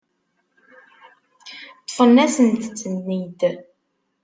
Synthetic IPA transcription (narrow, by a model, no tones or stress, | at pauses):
t̪ːˤəfənːæsənt̪t͡sːənːid̪